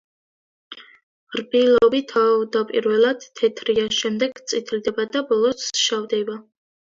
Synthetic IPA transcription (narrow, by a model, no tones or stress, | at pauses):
ɾbilɔvit̪ʰavd̪apʼiɾvɛlˠad̪̥ːʰɛt̪ʰɾianʃɛmd̪ɛɡt̪sʼit̪ʰlid̪ɛbad̪abɔlˠɔsʃavd̪ɛba